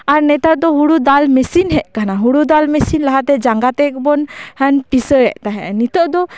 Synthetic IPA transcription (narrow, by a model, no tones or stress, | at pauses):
aɾnɛt̪at̪̚d̪ɔɦuɽud̪almɛsinɦɛʔkanaɦuɽud̪almɛsinlaɦat̪ɛd͡ʒaŋɡat̪ɛkbɔnhənpisəɛʔt̪aɦɛ̰nit̪ɔʔd̪ɔ